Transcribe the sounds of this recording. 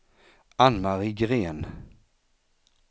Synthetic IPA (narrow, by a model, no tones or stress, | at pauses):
anmaʁiɡʁeːn